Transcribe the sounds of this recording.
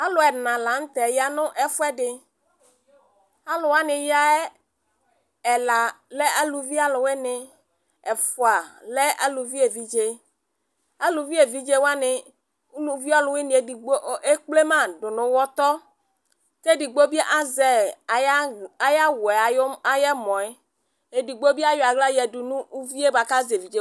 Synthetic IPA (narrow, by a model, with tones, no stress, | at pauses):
a˦lʊ˨ɛ˨nã˨la˨˦ŋ̩˦t̪ɛ˨ja˦nʊ̃˦ʔɛ˦fʊ˦ɛ˦ɖɪ˨ | a˦lʊ˨wa˦nɪ̃˨ja˦ɛ˦ | ɛ˨la˨lɛ˦a˦lu˨vi˦a˦lʊ˨we˦nɪ˨ | ɛ˨fʊ˨a˨lɛ˦ʔa̰˦lu˨vi˦e˨vi˦d͡ʒe˦ | a˦lu˨vi˦e˨vi˦d͡ʒe˦wa˦nɪ˨˦ | nũ˦vi˦ɔ˦lʊ˦we˦nĩ˨e˦di˨o˦e˦k͡ple˦mã˦ɖʊ˨nʊ̃˨˦wɔ˦t̪ɔ˦ | t̪e˦di˨ɡ͡bo˦bi˦ʔa˦zɛ˨˦ | a˨ja˦wɛ˨a˨˦a˦jɛ˦mɔ̃˨ɛ˦ | e˨di˨ɡ͡bo˦bi˦a˦jɔ˨a˨ɡla˦jɛ˨du˨nũ˦u˦vi˦e˦ba˨ka˦ze˨vi˨d͡ʒe˦